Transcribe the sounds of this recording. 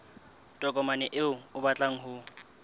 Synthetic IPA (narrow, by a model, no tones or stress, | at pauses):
tʼɔkʼɔmanɛʔɪʊʊbat͡ɬʼaŋ̩ɦʊ